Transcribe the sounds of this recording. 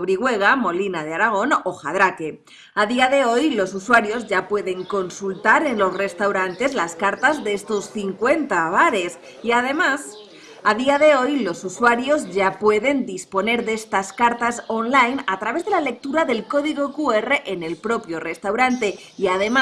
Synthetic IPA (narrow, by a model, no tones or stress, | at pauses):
βɾiɣwe̞ɣ̞amo̞linaðeaɾaɣ̞o̞no̞xa̰ðɾake̞ | aðiaðe̞o̞jlo̞suswaɾjo̞zʝapwe̞ðe̞ŋko̞nsult̪aɾe̞nlo̞sre̞st̪awɾant̪e̞zlaskaɾt̪azðeest̪o̞sθiŋkwe̞nt̪aβ̞aɾe̞s | iaðe̞mas | aðiaðe̞o̞jlo̞suswaɾjo̞zʝapwe̞ðe̞nd̪ispo̞ne̞ɾðe̞st̪askaɾt̪asonlajnat̪ɾaβe̞zðe̞lale̞k̚t̪uɾaðe̞lko̞ðiɣ̞o̞kue̞re̞ʔene̞lpɾo̞pjo̞re̞st̪awɾant̪e̞ | iaðe̞ma